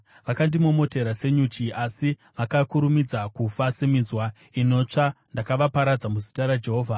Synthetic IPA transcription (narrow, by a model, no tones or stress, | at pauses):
ʋakandimomo̞te̞ɾase̞ɲut͡ʃiʔasiʋakakuɾumid͡zakufasemizwa | ino̞t͡ʂandakaʋapaɾad͡zamuzi̥taɾad͡ʒe̞ɦo̞ːvʱa